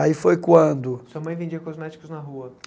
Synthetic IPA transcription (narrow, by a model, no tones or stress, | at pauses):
aifojkwɐ̃nd̪ʊsoɐmɐ̃j̃vẽd͡ʒiɐkɔzmɛt͡ʃi̥kʊznɐɦuɐ